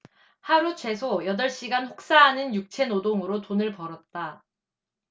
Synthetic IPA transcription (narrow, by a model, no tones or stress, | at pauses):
haɾut͡ɕʰwe̞sʰojʌdʌɭɕ͈iɡanɸok̚s͈aɦanɯnjuk̚t͡ɕʰe̞nodoŋɯɾotonɯɭpʌɾʌt̚t͈a